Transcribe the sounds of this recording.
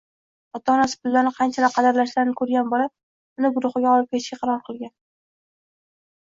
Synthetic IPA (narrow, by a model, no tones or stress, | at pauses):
ɒt̪ʰɒɒnasɪ̥pʊlːaɾnɪqʰɑnt͡ʃʰalɪp̚qʰɑd̪ɪɾlaʃlaɾɪnɪkʰɵɾɡʲanbolap̚ | ʊnɪɡʊɾʊχɨɡʲaɒlˠɪp̚kʲʰet̪ʃkʲaqʰɑɾɒɾqʰɨlˠɡʲan